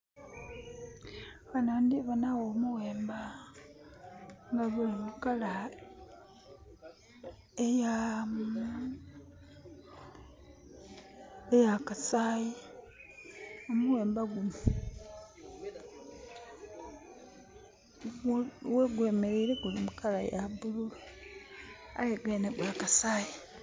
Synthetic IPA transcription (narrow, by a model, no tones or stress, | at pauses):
βanandiβanawoːmuɣe̞ːmba | ŋɡaβuliβukala | ejam | ejakasaji | omuweːmbaɡum | weɡwemeɾeːɾeɡulimukala̰jabululu | a̰jeɡwenebwakasaːji